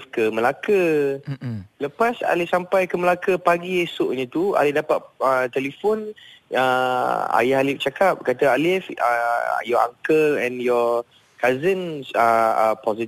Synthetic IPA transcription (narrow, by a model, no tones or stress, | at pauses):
fkəməlakə | ləpasa̰lɪhsampajkəməlakəpaɡiesʊʔɲãt̪ua̰lɪdapat̪̚ət̪ɛlifɔnəa̰jaɦalɪf̚t͡ʃakap̚kat̪əalɪfə̰jɔa̰ŋkəlɛ̃njɔ | kazənsəəpɔzi